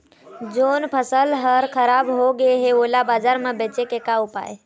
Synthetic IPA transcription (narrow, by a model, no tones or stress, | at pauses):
d͡ʒonpʰəsəlɦəɾkʰəɾabɦoɡeɦeolabad͡ʒaɾmebet͡ʃekekaupa̰e